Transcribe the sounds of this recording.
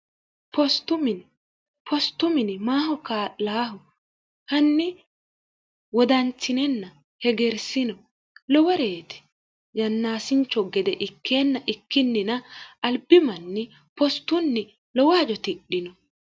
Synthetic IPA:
pɔst̪ʊmɪn | pʰɔst̪ːʊmɪnɪmaːhɔkaːlaːɦʊ | hɐnːɪ | wɔd̪ɐnt͡ʃːɪnɛnːɐ | hɛɡɛɾsɪnɔ | lɔwɔɾeːt̪ɛ̥ | jɐnːaːsɪnt͡ʃːɔɡɛd̪ɛʔɪkːenːɐʔɪkːɪnːɪnɐɐlbɪmɐnːɛ | pɔst̪ːʊnːɪ | lɔwɔɐd͡ʒɔt̪ɪɗːɪnɔ

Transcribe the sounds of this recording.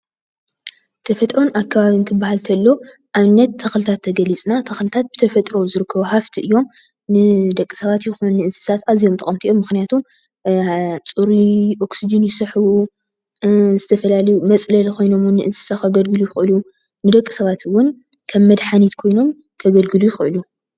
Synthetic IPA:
t̪ʰɐfɐt̪ʼɾo̞nakʰːaβaβinkʰɨbːahalt̪ʰɐlːo̞ | ʔaβnɐt̪ʰːɐxlɨt̪ʰat̪ʰːɐɡɐlit͡sʼnat̪ʰɐxlɨt̪ʰat̪̚b̥ɨt̪ʰɐfɐt̪ʼɾo̞zɨɾɨkʰːɐβohaft̪ʰiʔɨjːo̞m | nɨd̪ɐkʼisɐβat̪jɪxunnːɨʔɨnsɨ̥sat̪azijo̞mt̪ʼɐ̰ɐmt̪iʔomːɨxnijat̪ʰum | t͡sʼuɾiʔo̞ksid͡ʒɨnjɪsɐħu | zɨt̪ʰɐfɐlalɐjumɐt͡sʼlɐlkʰo̞jno̞mnːɨʔɨnsɨ̥saxɐɡɐlɡɨlujɪxɨɨlu | nɨd̪ɐkʼːɨ̥sɐβat̪wːʊn | kʰɐmːɐd̪ħanit̪kʰo̞jno̞m | kʰɐɡɐlɡɨlujɪxɨʔɨlu

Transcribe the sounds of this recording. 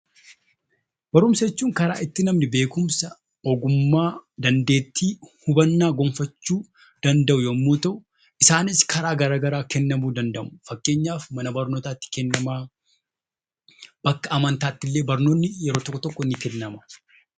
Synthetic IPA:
b̥ɐɾʊmsɐt͡ʃːuːŋkɐɾa̰ːɪt̪ːɪnɐmnɪbe̞ːkʊmsɐ | ɔɡʊmːaːd̪ɐnd̪e̞ːt̪ːiːhʊbɐnːaːɡɔmfɐt͡ʃːuː | d̪̥ɐnd̪ɐʔʊjɐmːoːt̪ɐʔʊ | ʔɪsaːnɪskʰɐɾaːɡɐɾaːɡɐɾaːkɛnːɐmuːd̪ɐnd̪ɐmʊfɐkːe̞ːɲːaːfmɐnɐbɐɾnoːt̪aːt̪ːɪ̥kɛnːɐmaː | b̥ɐkːɐʔɐmɐnt̪aːt̪ːɪlːe̞ːbɐɾno̞ːnːɪjɛɾo̞ːt̪ɔkʼːɔt̪ɔkːɔnɪfɪnːɐmɐ̥

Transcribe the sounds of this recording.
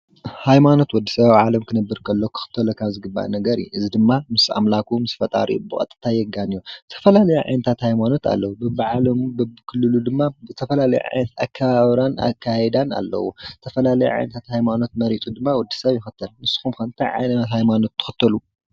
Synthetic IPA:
hajmano̞t̪wɔd̪ːisɐβawʕalɐmkʰɨnɐbːɨɾkʰɐlːokʰɨ̥xɨ̥t̪ʰːɐlokʰaβzɨɡɨbːa̰ʔnɐɡɐɾḭʔɨzid̪ɨmːamɨsa̰mlakʰumɨsfɐt̪ʼa̰ɾʔḭbɨkʼɐ̰t̪ʼɨ̥t̪ʰajɛɡanijot̪ʰɐ̥fɐlalɐjuʕa̰jnɐt̪ʰat̪hajmano̞t̪ʰa̰lːɐwubɨbʕalɐmbɨbkʰɨlːɨlud̪ɨmːaɨt̪ʰɐfɐlalɐj̰ʕa̰jnɐt̪a̰kʰːaβaβɾana̰kʰːajɛd̪ana̰lːɐ̰wṵt̪ʰɐfɐlalɐjṵʕa̰jnɐt̪ʰat̪hajmano̞t̪̚mɐɾit̪ʼud̪ɨmːawɔd̪ːi̥sɐβjɪxɨt̪ʰːɐlnɨsːɨ̥xumkɐnt̪ʰaʕa̰jnɐt̪hajmano̞t̪ʰːɨ̥xɨt̪ʰːɐlu

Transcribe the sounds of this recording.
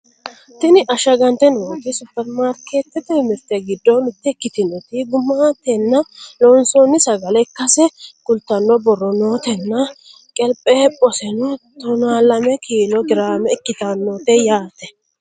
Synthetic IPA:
t̪ɪnɪʔɐʃɐɡɐnt̪ɛnoːfɪsʊpːɛɾmaːɾkeːt̪ːɛt̪ɛmɪɾt̪ɛɡɪd̪ːɔnʊt̪ːɛkːɪt̪ɪnɔt̪ɪɡʊmaːt̪ɛnːɐlɔnsonːɪsɐɡɐlɛkːɐsɛkʊlt̪ːɐnːɔbɔrːɔnoːt̪ɛnːɐ | kʼɛlpʼɛːpʼɔsɛnɔt̪ɔnaːlɐmɛkiːlɔɡɪɾaːmɛɪkːɪt̪anːot̪ɛjaːt̪ɛ

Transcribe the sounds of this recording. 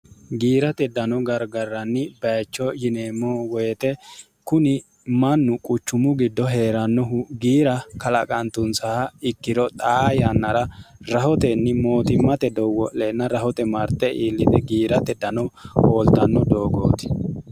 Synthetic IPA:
ɡiːɾɐt̪ɛd̪ɐnɔɡɐɾɡɐrːɐnːɪbɐjt͡ʃːɔjɪneːmːɔwɔjt̪ɛ | kʊnɪ | mɐnːʊkʼʊt͡ʃːʊmʊɡɪd̪ːɔɦe̞ːɾɐnːɔɦʊɡiːɾɐkɐlɐkʼɐnt̪ʊnsaɐɪkːɪɾɔt̪ʼaːjɐnːɐɾɐɾɐhɔt̪ɛnːɪmo̞ːt̪ɪmɐt̪ɛd̪ɔwɔʔeːnːɐɾɐhɔt̪ɛmɐɾt̪ːɛʔiːlːɪd̪ɛɡiːɾɐt̪ɛd̪ɐnɔhoːlt̪ɐnːɔd̪oːɡo̰ːt̪ɪ̥

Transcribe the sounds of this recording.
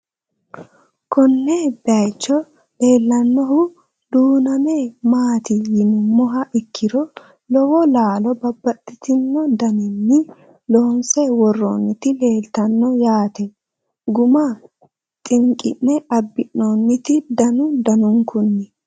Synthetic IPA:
kɔnːebɛɐjt͡ʃːɔ | le̞ːlːɐnːɔɦʊ | d̪uːnɐmemaːt̪ɪjɪnʊmːɔɦɐʔɪkʰːɪɾɔ | lɔwɔlaːlɔbɐbːɐt̪ʼːɪt̪ɪnːɔd̪ɐnɪnːɪ | lɔhɔnsɛwɔrːo̰ːnːɪt̪ɪle̞ːlt̪ɐnːɔjaːt̪ɛ | ɡʊma | t̪ʼɪŋkʼɪ̰nːɛɐbːɪnːoːnːɪt̪ɪd̪ɐnʊd̪ɐnʊŋkʊnːɪ

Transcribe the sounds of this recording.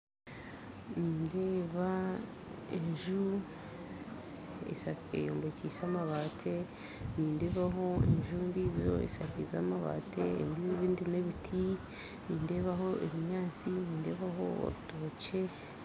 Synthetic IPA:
niːnde̞ːβa | eɲʒu | ḛaḛjoːmbeciːsaːmaβaːtʰe | niːnde̞ːβaɦo̞ḛɲʒundiːzo̞̰ḛsakiza̰ːmaβa̰tʰeḛndieβiːndine̞βitʰi | niːnde̞ːβaɦo̞ʔeβiɲaːt͡siniːnde̞ːβaɦo̞̰o̰ɾuto̞ːce̞

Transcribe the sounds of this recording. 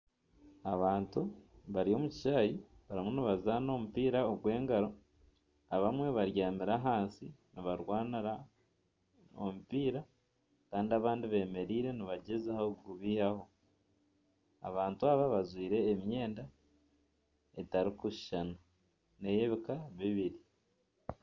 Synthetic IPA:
aβaːntuβaɾio̞muci̥ʃaːjiβaɾimuniβazano̞mupiːɾaoɡwe̞ːŋɡaɾo̞ | aβamwe̞βaɾjaːmiɾaɦaːnsiniβaɾwaːniɾa | o̰mupiːɾa | kaːndiaβaːndiβe̞ːme̞ɾiːɾe̞niβaɟezahaɡuβiːhaho̞ | a̰βaːntuaβaβazwiːɾe̞ːmje̞ːnda | etaɾikuʃʃana | ne̞jeβikaβiβiɾi

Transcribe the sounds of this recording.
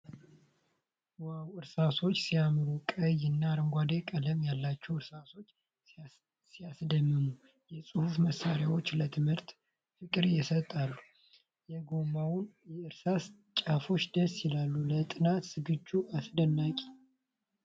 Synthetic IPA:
wawɨɾsaso̞t͡ʃːsijamɨɾukʼəjɨnːaɾəŋɡʷad̪e̞kʼələmjalːat͡ʃːɛhɨɾsaso̞t͡ʃː | sijasd̪əmːɨnu | jɛsʼɨhufməsːaɾjawo̞t͡ʃːlət̪ʰɨmhɨɾt̪ | fɨkʼɨɾjɛsət̪ʼːalːu | jɛɡo̞mawʊnjɛɨɾsas | t͡ʃʼafo̞t͡ʃːd̪əsjɪlalːulət̪ʼɨnat̪sɨɡɨt͡ʃːuasd̪ənːakʼi̥

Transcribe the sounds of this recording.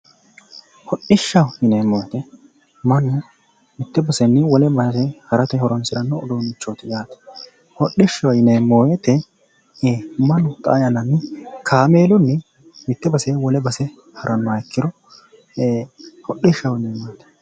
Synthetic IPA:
hɔɗɪʃːɐwɪnemːoːjɛt̪ɛ | mɐnʊ | mɪt̪ːɛbɐsɛnːɪwɔlɛbɐsɛhɐɾɐt̪ɛhɔɾɔnsɪɾɐnːɔɔd̪oːnɪt͡ʃːoːt̪ɪjaːt̪ɛ̥ | hɔɗːɪʃːɐwɪnemːoːjɛt̪ɛ | mɐnʊt̪ʼa̰ːjɐnɐnːɪkʰaːmeːlɔnːɛ | mɪt̪ːɛbɐsɛwɔlɛbɐsɛ | hɐɾʔɐnːɔkːɪd̪ɔ | hɔɗɪʃːɐwɪneːmaːt̪ɛ̥

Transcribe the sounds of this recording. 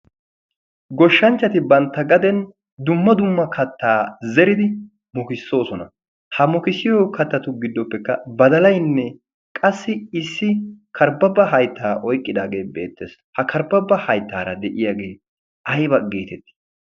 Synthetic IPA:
ɡɔʃːɐnt͡ʃːɐt̪ɪbɐnt̪ːɐɡɐd̪ɛn | d̪ʊmːɐd̪ʊmːɐkʰɐt̪ːaːzɛɾɪd̪ɪ | mɔkɪsːo̞ːsɔnɐ | hɐmɔkɪsɪjokɐt̪ːɐt̪ʊɡɪd̪ːɔpːɛkːɐbɐd̪ɐlɐjnːɛ | kʼɐsːɪɪsːɪkʰɐɾbɐbːɐɦɐjt̪ʰːaːʔɔjkʼːɪd̪aːɡe̞ːbe̞̰ːt̪ːeːs | hɐkʰɐɾbɐbːɐhɐjt̪ːaːɾɐd̪ɛʔɪjaːɡe̞ː | ɐjbɐɡe̞ːt̪ɛt̪ːɪ̥

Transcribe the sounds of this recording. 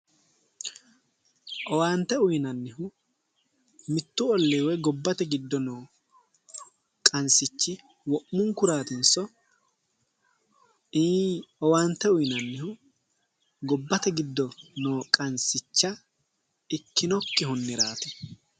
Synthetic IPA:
ʔɔwaːnt̪ɛʊjnɐnːɪhʊ | mɪt̪ːʊɔlːeːwɛɡɔbːɐt̪ɛɡɪd̪ːɔnoː | kʼɐnsɪt͡ʃːɪ | wɔʔmʊŋkʊɾaːt̪ɪnsɔ | ɔwaːnt̪ːɛʊjnɐnːɪhʊ | ɡɔbːɐt̪ɛɡɪd̪ːɔnoːkʼɐnsɪt͡ʃːɐ | ɪkːɪnɔkːɪɦʊnːɪɾaːt̪ɛ̥

